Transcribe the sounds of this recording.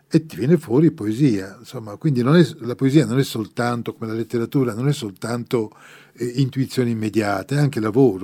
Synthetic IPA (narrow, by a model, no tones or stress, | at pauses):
et̪ːivjɛːnefwɔːɾipoeziːansomːakwind̪inonɛlapoeziːanonɛsːolt̪ant̪okomelalet̪ːeɾat̪uːɾanonɛsːolt̪ant̪o | int̪uit̪sːjoːniimːed̪jaːt̪eɛaŋkelavoːɾo